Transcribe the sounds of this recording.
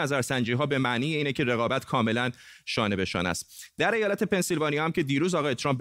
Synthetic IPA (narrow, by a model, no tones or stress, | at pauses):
æzæɾsænd͡ʒiːɦɒːbe̞mæʔniːjeiːne̞cʰe̞reɣɒːbæt̪ʰkʰɒːme̞læn | ʃɒːne̞be̞ʃɒ̰ːnæ̰st̪d̪æɾejɒːlæt̪ʰe̞pe̞nsilvɒːniɒhæmcʲʰe̞d̪iːɾuːzɒːɣɒːje̞t̪ʰɾɒmp̚b